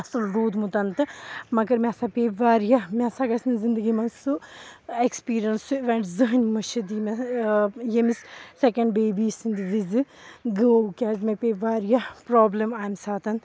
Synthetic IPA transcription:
ɐsɐlɾuːd̪mut̪ɐnt̪ɨmɐɡɐɾmʲesaːpeːʋaːɾjɐmʲesaɡɐsnzind̪ɨɡimɐnsuekspiːɾjɐnsuʋɐɳʈzɨɦɨnʲmɐʃid̪iːmɐ | jemissekɐ̃ɳɖbeːbiːsɨnd̪ɨʋizɨ | ɡəkʲaːzmẽpʲeːʋaːɾjɐpɾoːblɐmaːjmsaːt̪ɐn

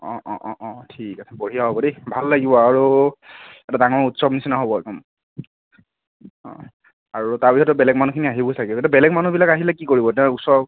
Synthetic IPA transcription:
ɔ̃ʔɔ̃ʔɔ̃ʔɔ̃tʰikasʰɛpoɹijaɦobɔdebʱalːaɡibɔaɹu | ɛtadaŋɔɹutsɔbnisinaɦobɔkɔm | ɔ̰̃ | aɹutaɹbikʰɔtɔbɛlɛkmanukʰiniaɦibɔsakɛɛtɔbɛlɛkmanubilakaɦilɛkikoɹibɔtɛ̃usɔb

